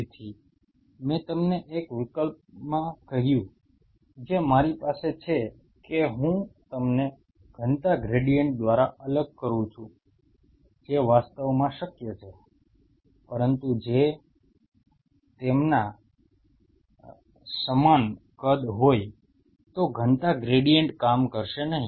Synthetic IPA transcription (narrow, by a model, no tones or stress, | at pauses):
t̪ʰi | mɛ̃t̪əmneʔekʋɪkəlp̚mãkəɦjũ | d͡ʒemaɾipaset͡ʃʰe | keɦũt̪əmne | ɡ̥ʱənt̪aɡɾeɽijəɳʈ̚d̪ʋaɾaʔələɡ̚kəɾũt͡ʃʰũ | d͡ʒeʋast̪əʋmãʃəkjət͡ʃʰe | pəɾənt̪ud͡ʒe | t̪emna | səman | kəd̪ɦoj | t̪oɡʱənt̪aɡɾeɽijəɳʈkamkəɾʃenəɦĩ